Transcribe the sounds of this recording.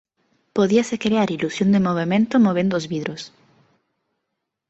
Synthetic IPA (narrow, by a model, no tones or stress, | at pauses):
poðiasekɾeaɾilusjõnd̪emoβ̞emẽnt̪omoβẽnd̪ʊːzβiðɾos